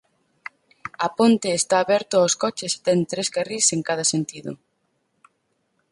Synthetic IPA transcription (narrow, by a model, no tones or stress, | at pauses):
ɐpont̪eːst̪aːβɛɾt̪ʊaoskɔt͡ʃɪse̥t̪ɛŋt̪ɾezɡariseŋkaðɐsent̪iðʊ̰